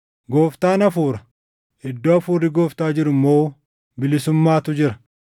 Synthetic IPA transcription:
ɡo̞ːft̪aːnɐfuːɾɐ̥ | ɪd̪ːoːɐfuːrːɪɡo̞ːft̪aːd͡ʒɪɾʊmːoː | bɪlɪsʊmːaːt̪ʊd͡ʒɪɾɐ

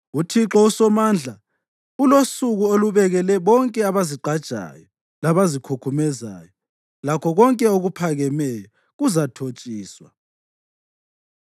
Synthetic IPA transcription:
utʰiǁɔusɔmand͡ɮʱa | ulosuɣuoluβɛɣɛlɛβɔŋkʼɛaβaziǃad̥ʒ̥ʼʱa̰jɔ | laβazikʰukʰumɛza̰ːjɔ | lakʰɔɣɔŋkʼɛoɣupʰaɣɛmɛjɔ | ɣuzatʰot͡ʃʼiːswa̰

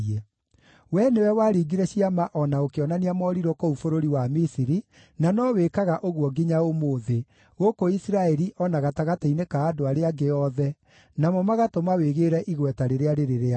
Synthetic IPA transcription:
ɛ | wɛnewɛwaːɾiːɡiɾɛɕiamaʔɔnaokeɔnaniamɔɾiɾwɔkoufoɾoɾiwamisiɾi | nanɔwekaɣaʔoɣuɔɡiɲaomoːðe | ɣokoisiɾaɛɾiʔɔnaɣataɣatainekaːdoaɾeaɡeɔðɛ | namɔmaɣatomaweɣeːɾɛʔiɣwɛtaɾeɾeaɾeɾeɾea

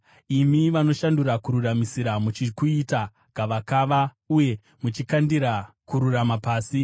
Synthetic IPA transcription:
imiʋano̞ʃanduɾakuɾuramisiɾamut͡ʃikuita | ɡaʋakaʋa | uje̞ | mut͡ʃikandiɾa | kuɾuramapaːsi

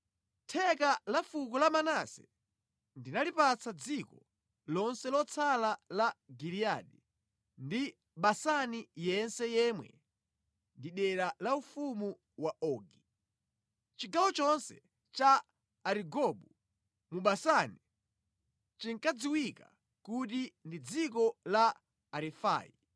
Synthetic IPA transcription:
tʰɛkalafukɔlamanasɛ̰ | ndinalipat͡sad͡zikɔ | lɔnsɛlɔt͡sʰalalaɡiɾiaɗɛ | ndi | ɓasanijɛnsɛjɛmwɛ̰ | ndiɗɛɾalaufumu | waʔɔɡi | t͡ʃiɡawɔt͡ʃɔnsɛ̰ | t͡ʃaː | ɾiɡɔɓu | muɓasani | t͡ʃiŋkad͡ziwika | kutindid͡zikɔla | aɾɛfa̰ːjḭ

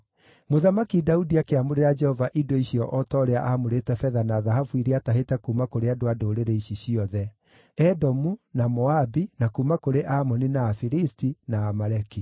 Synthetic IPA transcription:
moðamakidaudiakeamoɾeɾad͡ʒɛhɔvaʔidoiɕjɔʔɔtɔɾeaʔamoɾetɛfɛðanaːðaɦafuiɾeataɦetɛkumakoɾeadoadoːɾeɾeiɕiɕiɔðɛ | ɛdɔmunamɔabinakumakoɾeʔamɔninaːfiɾistinaːmaɾɛki

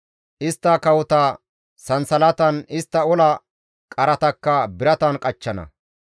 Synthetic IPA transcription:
ʔɪst̪ːɐkɐwʊt̪ɐ | sɐnsɐlɐt̪ɐnɪst̪ːɐɔlɐ | kʼɐɾɐt̪ɐkːɐbɪɾɐt̪ɐnkʼɐt͡ʃːɐnɐ̰

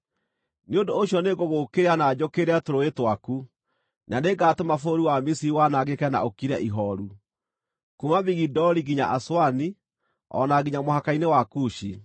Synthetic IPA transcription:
neondooɕjɔneɣoɣokeɾeanad͡ʑokeɾeatoɾoetwaku | naneɡatemafoɾiwamisiɾiwanaɣekɛna̰okiɾɛ̰ʔiɦɔɾu | kumamiɣidɔɾiɣiɲa̰ʔaswani | ɔ̰naɣiɲamohakainewakuɕi

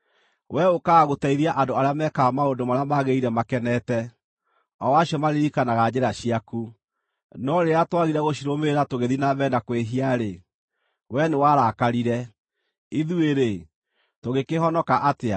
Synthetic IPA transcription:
wʔɛokaːɣotaiɾiaʔandoaɾeamɛkaːmaondomaɾeamaɣeiɾɛmakɛnɛtɛ | ɔwaɕjɔmaɾeɾikanaɣad͡ʑeɾaɕiaku | nɔɾeatwaɣiɾɛɣoɕiɾomeɾatoɣeðinaβɛnakweɦiaɾe | wɛnewaɾakaɾiɾɛ | iðueɾe | toɣekeɦɔnɔkaʔatea

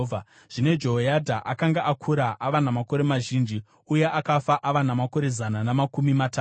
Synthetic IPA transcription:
a | ʐ̥ine̞d͡ʒojadʱaʔakaŋɡaʔakʰuɾaʔaʋanamako̞ɾe̞maʒiːnd͡ʒi | uje̞ʔakafaʔaʋanamako̞ɾe̞zananamakumimata

